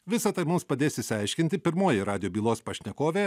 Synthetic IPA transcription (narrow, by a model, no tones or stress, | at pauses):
ʋʲɪsɐt̪ɐɪmʊmspɐd̪ʲeːsʲɪʃsʲɐɪʃʲkʲɪnʲt̪ʲɪpʲɪɾmoːjɪɾɑːd̪ʲɪjoːbʲiːlˠoːspɐʃʲnʲɛkoːʋʲeː